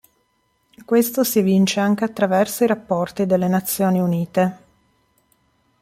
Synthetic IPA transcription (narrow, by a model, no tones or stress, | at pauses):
kwest̪osivint͡ʃeaŋk̟eat̪ːɾavɛrsoiɾapːɔrt̪id̪elːenat̪sːjoːniuniːt̪e